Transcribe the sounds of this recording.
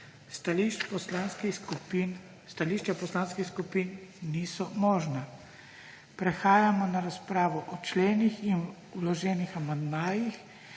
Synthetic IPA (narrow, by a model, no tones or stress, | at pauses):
t̪aliʃpɔslanskikpin | st̪aliːʃt͡ʃapɔslaːnskixskupinnisɔmɔːʒna | pɾɛxaːjamɔnaɾaspɾaːʋɔʔɔt͡ʃleːnixin | wlɔʒɛːnixamand̪maːjix